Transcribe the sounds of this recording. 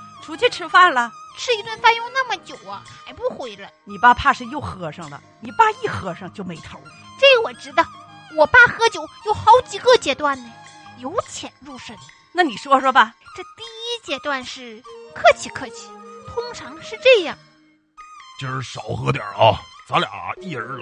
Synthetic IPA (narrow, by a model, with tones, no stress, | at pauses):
ʈ͡ʂʰu˧˥t͡ɕʰy˥˧ʈ͡ʂʰɻ̩˥fa˥˩nlə˩ʈ͡ʂʰɻ̩˥˧i˧˥t̪wə˥˧nfa˥njo˥˧ʊna˥˩mə˨t͡ɕjo˨˩ʊɐ˧xa˨˩˥ɪpu˥˩xwe˧˥ɪlə˧ni˨˩pa˥˧pʰa˥˧ʂɻ̩˥˧jo˥˩ʊxɤ˧˥ʂɤ˥˩ŋd̪ə̰˨˩ni˨˩pa˥˧i˥˩xɤ˧˥ʂɤ˥˧ŋt͡ɕjo˥˩ʊme˧˥ɪt̪ʰo˧˥ʊ | ʈ͡ʂe˥˩˧wɔ˨˩ʈ͡ʂɻ̩˧˥d̪ə˧ | wɔ˨˩pa˥˩xɤ˧˥t͡ɕjo˨˧˥ʊjo˨˩ʊxɑ˧˥ʊt͡ɕi˨˩ɡə˥˧t͡ɕjɛ˧˥t̪wa˥˩nnə˨˩ | jo˧˥ʊt͡ɕʰjɛ˨˧˩nɻu˥˩ʂə˥˩n | na˥˩ni˨˩ʂwɔ˥ʂwɔ˥bɐ˨ʈ͡ʂɤ˥˧t̪i˥˩i˥t͡ɕjɛ˧˥t̪wa˥˧nʂɻ̩˥˩kʰɤ˥˧t͡ɕʰi˧˥kʰɤ˥˩t͡ɕʰi̥˧˩˥t̪ʰʊ˥ŋʈ͡ʂʰɑ˧˥ŋʂɻ̩˥˧ʈ͡ʂɤ˥˧jɑ˥˩ŋ | t͡ɕ̩˥˧ʂɻ̩˥˩ʂɑ˨˩ʊxɤ˧˥t̪jɑ̰˨˩ʔɐ̰˧t͡sa˧˥ljɑ̰˨˩˧i˥˩ə˧˥